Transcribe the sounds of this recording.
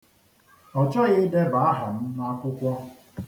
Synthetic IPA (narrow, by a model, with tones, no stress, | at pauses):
ɔ˨t͡ʃɔ˦ɣɪ˦de˦ba˨a˦ɦa˨m̩˦na˦kʷʊ˦kʷɔ˦